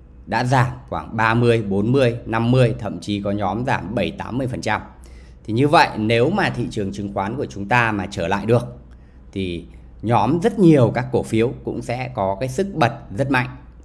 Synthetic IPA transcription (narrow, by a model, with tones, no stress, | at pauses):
ɗa̰ː˧˥zaː˧˩mxwaː˧˩ŋɓaː˧mɨ˧əjɓo˨˦nmɨ˧əjna˧mːɨ˧əjt̪ʰə̰˧˨mt͡ɕi˨˦kɔ˨˦ɲɔ˨˦mzaː˧˩mɓə˧˩jt̪aː˨˦mːɨ˧əjfə˨˩nt͡ɕa˧m | t̪ʰi˨˩ɲɨ˧və̰˧˨jne˨˦wmaː˨˩t̪ʰḭ˧˨t͡ɕɨ˨˩əŋt͡ɕɨ˨˦ŋxwaː˨˦nku˧˩ət͡ɕʊ˨˦ŋ͡mt̪aː˧maː˨˩t͡ɕəː˧˩la̰ː˧˨jɗɨ˨˩ək̚ | t̪ʰi˨˩ | ɲɔ˨˦mzə˦˥t̚ɲi˨˩əwkaː˦˥kːo˧˩fi˨˦əwkʊ̰˧˥ŋ͡msɛ̰˧˥kɔ˨˦kaː˨˦jsɨ˦˥k̚ɓə˨˩t̚zə˦˥t̚ma̰˧˨jŋʔ